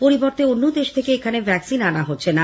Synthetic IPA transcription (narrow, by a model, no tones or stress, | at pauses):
poɾiboɾt̪eonːod̪eʃt̪ʰekeekʰanebʱɛksinanaɦotːɕʰena